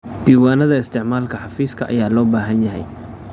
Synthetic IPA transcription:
d̪̥iːwaːnɐðɐɪst̪ʰɪʕmaːlkʰɐħɑfiːskʰɐʔɐ̰jaːlɔːbaːɦɐnjɐɦɛ̰j

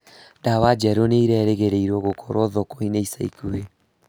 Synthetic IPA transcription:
dawad͡ʒɛɾoneiɾɛɾeɣeɾeiɾwɔɣokʰɔɾwɔðokoineisaikue

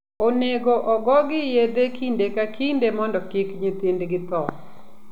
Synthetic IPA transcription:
oneɡoʔɔɡɔɡɪjed̪ekindekakʰindemɔndɔkɪkɲit̪indɡɪt̪ɔ

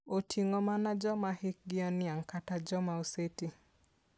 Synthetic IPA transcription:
otʰiŋɔmanad͡ʒɔmahɪk̚ɡɪɔnɪaŋkatad͡ʒɔmaoseti

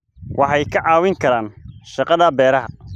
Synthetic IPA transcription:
wʔɑħɑjkʰɐʕɑːwɪŋkʰɐɾaːnʃɑqɑðɐbɛːɾɐɦɐ

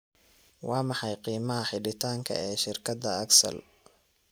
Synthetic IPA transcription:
wɑːmɑħɑjqiːmɐɦɐħɪɖɪt̪ʰaːŋkʰɐ̰ɛːʃɪrkʰɐd̪ɐɐɡsɐ̰l

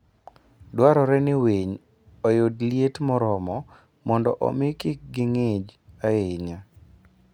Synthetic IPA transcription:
dwaɾɔɾɛnɪweɲ | ɔjodljetmɔɾɔmɔ | mɔndɔʔɔ̰mɪkɪk̚ɡɪŋed͡ʒaeɲa

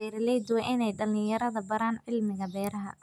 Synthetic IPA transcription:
ɛːɾlɛjd̪ʊwɛʔɪnɛjɖɐlɪjjɐɾɐðɐbɐɾaːnʕɪlmɪɣɐbɛːɾɐɦɐ̰

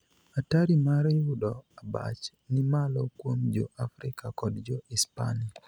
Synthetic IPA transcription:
ataɾimaɾɪwʊdɔaba̰t͡ʃ | nɪmalɔkwomd͡ʒo̰ʔafɾɪkakɔdd͡ʒoispa̰ni

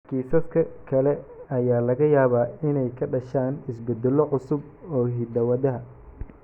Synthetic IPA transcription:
kiːsɐt̪kʰɐkʰɐlɛɐjaːlɐɣɐjaːβaːɪnɛjkʰɐɖɐʃaːnɪsbɛd̪ɛlɔʕʊsʊb | ɔːɦiːd̪ɐwɐðɐɦɐ

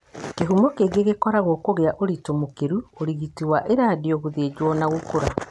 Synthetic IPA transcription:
keɦumɔkeɡeɣekɔɾaɣɔkoɣeaʔoɾitomokeɾuoɾiɣitiwaʔeɾaːdeɔɣoðeːd͡ʑwɔnaɣokoɾa

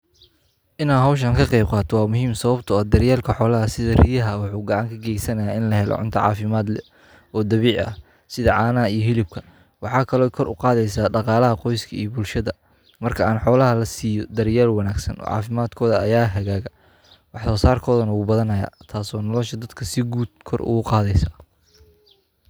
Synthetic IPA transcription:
ʔɪnaːɦɐwʃ̬ɐŋkʰɐqɛjb̚qɑːt̪ʰɔwɑːmʊɦiːmsɐβɐbt̪ʰʊɐːd̪ɐɾjaːlkʰɐħɔːlɐɦɐsɪðɐrijɐɦɐwɑħuːɡɑʕɑŋkʰɐɡɛjsɐnɐjaːɪnlɐɦɛlɔ̰ʕʊ̰nt̪ʰɐʕɑ̰ːfɪmaːd̪lɛ | ɔːd̪ɐβiːʕɐ̰h | sɪðɐʕɑːnɐijɞɦɪlɪb̚kʰɐ | wɑħɑːkʰɐlɔːkʰɔɾʔʊ̰qɑːðɛjsaːɖɑqɑːlɐɦɐqɔjskʰɐḭjɔbʊlʃɐðɐ | mɐrkʰɐaːnħɔːlɐɦɐlɐsiːjɔd̪ɐɾjaːlwɑnaːɡsɐ̰nɔ̰ːʕɑ̰ːfɪmaːd̪kʰɔːðɐɐjaːɦɐɣaːɣɐ | wɑħsɔːsaːrkʰɔːðɐnɐwuːbɐðɐnɐja̰ːt̪ʰaːsɔːnɔlɔʃɐd̪ɐd̪kʰɐsɪɡuːd̪̚kʰɔrʊ̰ɣʊqɑːðɛjsaː

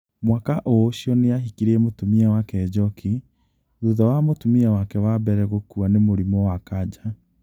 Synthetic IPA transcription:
mwakaʔoɕjɔneaɦikiɾemotumiɛwakɛd͡ʑɔkʰi | ðuðɔwamotumiɛwakɛwabɛɾɛɣokuanemoɾimɔwakad͡ʑa

